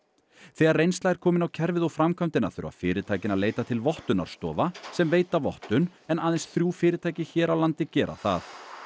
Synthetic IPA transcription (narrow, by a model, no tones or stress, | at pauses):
θɛːɣaɾrejnst̪laɣɛɾ̥kʰɔːmɪnawcʰɛɾvɪðɔwfɾamkʰam̥t̪ɪna̰θʏɾʏ̰a̰fɪːɾɪt̪ʰaːjcɪnaleːjt̪at̪ʰɪlvɔht̪ʏna̰ɾ̥st̪ɔ̰ːvasɛmveːjt̪avɔht̪ʏnɛnaːðɛnsθɾjuːfɪːɾɪt̪ʰaːjcɪçɛːɾawlant̪ɪcɛːɾʔa̰θa̰θ